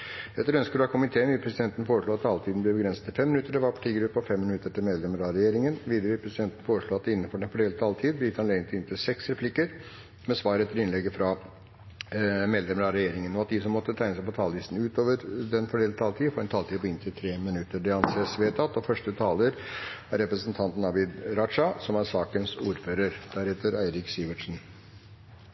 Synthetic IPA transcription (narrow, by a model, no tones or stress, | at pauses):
ɛt̪ːəɾœnskəɖɑkʰʊmɪt̪ʰeːənʋɪpʰɾɛsɪd̪ɛnt̪ən̩foːɾəʂɭuːɑt̪t̪ʰɑːlt̪ʰiːd̪n̩b̪lɛbəɡɾɛnsət̪ɪlfɛmːɪnʉt̪ːəɖɛʋɑɾpʰɑ̥ʈʰiːɡɾʉpːəɔfɛmːɪnʉt̪ːəʈʰɪlmeːd̪lɛməɾɑɾɛjeːɾɪŋənʋiːd̪əɾəɪpʰɾɛsɪd̪ɛnt̪n̩foːɾəʂɭuːɑt̪̚ɪnːən̩fɔɖɛnfɔɖeːlt̪ʰɑːlt̪ʰiːd̪b̪ɪt̪hɑnlɛɡənt̪ʰɪɪnt̪ʰɪsɛksɾɛpʰlɪkːəɾ | mɛsʋɑːɾəɛt̪ːəlɪnlɛɡːəfɾɑ | meːd̪lɛmənəɾɑɾɛjeːɾɪŋənɔɑt̪̚d̪isɔmːɔt̪ːət̪ʰæɪnəsæɪpɔt̪ʰɑːlʋɪsn̩ʉːt̪oːʋəɾd̪ɛnfɔɖeːlət̪ʰɑːlt̪ʰiːfɔːɾɛnt̪ʰɑːlt̪iːpʰɔɪnt̪ʰɪlt̪ʰɾeːmɪnʉt̪ːəɖɛɑnseːsʋeːt̪ʰɑt̪ːɔfœʂʈət̪ʰɑːləɾæɾɾɛpɾəsənt̪ʰɑnt̪n̩ɑbɪd̪ɾɑʂɑsɔmæɾsɑːkənsuːɾføːɾəɾd̪̥æɾheːt̪əɾæɪɾɪksiːʋəʈʂn̩